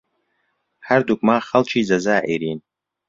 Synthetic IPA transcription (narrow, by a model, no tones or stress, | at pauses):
ħardukʷʼmaːχalt͡ʃʰiizazaːʔiɾin